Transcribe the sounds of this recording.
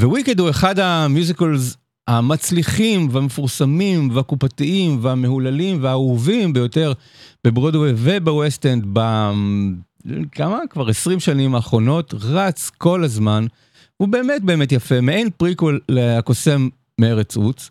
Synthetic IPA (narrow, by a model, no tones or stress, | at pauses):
vewikendhue̞χadhamjuzikolz | hamat͡sliχimveamefuʁsamimveakupatiimveame̞ɦulalimveauvimbe̞jo̞te̞ʁ | b̥ebʁodweve̞bewestend̪ba | kʰamakvaʁesʁimʃanimaːχʁo̞no̞tʁat͡sko̞lazman | ube̞ːmet̚be̞ːmetjafemeenpʁikoleako̞se̞mː | eeʁet͡sut͡s